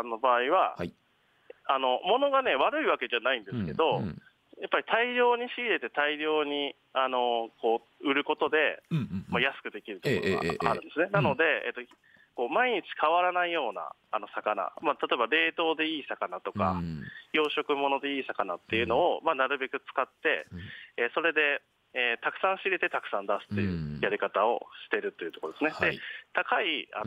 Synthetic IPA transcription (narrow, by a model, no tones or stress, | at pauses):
anːo̞baːiβa | ano̞mo̞no̞ɡane̞βaɾɯ̟iβake̞ʑanaĩnd̪esɨke̞d̪o̞ | japːaɾʲit̪ʰaiɾʲo̞ːɲ̟iɕiɾʲiɾe̞t̪e̞t̪aiɾʲo̞ːɲ̟i | ano̞ko̞ː | ɯ̟ɾɯ̟ko̞t̪o̞d̪e̞majasɨ̥kɯ̟d̪e̞kʲiɾɯ̟t̪okkooɡaa̰ɾɯ̟̃nd̪e̞sɨnenano̞d̪e̞ḛt̪ːo̞ | ko̞ːmaiɲ̟it͡ɕi̥kʰaβ̞aɾanaijo̞ːna̰ | ano̞sakana̰mat̪ʰat̪o̞e̞baɾe̞ːt̪o̞ːd̪e̞iːsakanat̪o̞ka̰jo̞ːɕo̞kɯ̟mo̞no̞d̪e̞iːsakanat̪ːe̞jɯ̟no̞ːmanaɾɯ̟be̞kɯ̟t͡sɨ̥kat̪ːe̞̰eso̞ɾe̞d̪e̞ | eːt̪akɯ̟̥sãɰ̃ɕiɾe̞t̪e̞t̪akɯ̟̥sãnd̪asɨ̥t̪ːe̞jɯ̟̰jaɾʲikat̪ao̞̰ɕi̥t̪e̞ɾɯ̟t̪ːo̞jɯ̟t̪o̞kood̪e̞sɨne̞d̪e̞t̪akaia̰